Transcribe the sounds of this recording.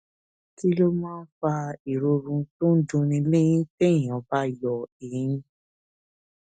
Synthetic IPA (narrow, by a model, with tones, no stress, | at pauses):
ti˦lo˦mãː˦˧n̩˦fa˧i˨ɾo˧ɾũ˧to˦n̩˦dũ˧˦nĩ˧le˦j̃ĩ˦te˦ĩ˨ɔ̃˨˦ba˦i˨jɔ˨e˨jĩ˧˦